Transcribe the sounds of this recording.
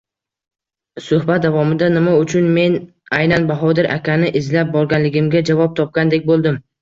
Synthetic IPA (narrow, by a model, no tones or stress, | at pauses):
sʊhbat̪̚d̪avɒmɪd̪anɪmaʊt͡ʃʰʊnme̞n | ajnanbaɦɒd̪ɪɾʔa̰kʲanɪʔɪzlap̚bɒɾɡʲanlɪɡʲɪmɡʲad͡ʒavɒp̚t̪ʰɒp̚kʲand̪e̞kʲbolˠd̪ɪm